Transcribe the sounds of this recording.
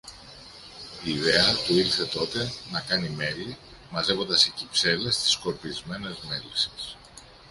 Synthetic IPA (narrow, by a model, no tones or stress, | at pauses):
iːðe̞ɐt̪uilθe̞t̪o̞t̪e̞nɐkɐnime̞li | mɐze̞vo̞nd̪ɐsecipse̞le̞st̪i̥sko̞ɾpizme̞ne̞zme̞lisi̥s